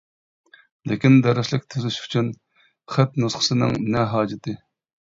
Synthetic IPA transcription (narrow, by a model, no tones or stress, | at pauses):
lɪkʲind̪ɛɾɪʃlɪkʲt̪ʰøzyʃy̥t͡ʃʰyn | χæt̪nusχə̥sɨnɨ̰ŋnɛɦɑːd͡ʒɪt̪ʰɨ